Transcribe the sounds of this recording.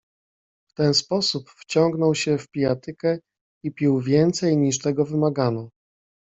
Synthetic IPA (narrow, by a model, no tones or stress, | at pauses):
ft̪ɛnspɔsupft͡ɕɔŋɡn̪ɔwɕɛfpʲijat̪ɘkɛ | ipʲiwvʲjɛnt̪sɛjɲiʂt̪ɛɡɔvɘmaɡanɔ